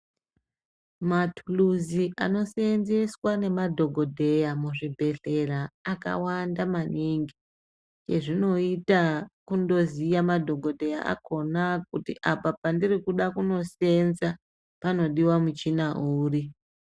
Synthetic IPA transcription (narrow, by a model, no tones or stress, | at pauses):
matʰuluziʔa̰no̞senzeswane̞madʱo̞ɡʱo̞dʱe̞jamuʐibʱe̞ɬe̞raːka̰wandamaniŋɡi | t͡ʃe̞ʐino̞itakundo̞zijamadʱo̞ɡʱo̞dʱe̞ja̰ʔa̰kʰo̞nak̚utḭʔapapandirikuɗakuno̞se̞nza | pano̞ɗiwamut͡ʃinaʔuːri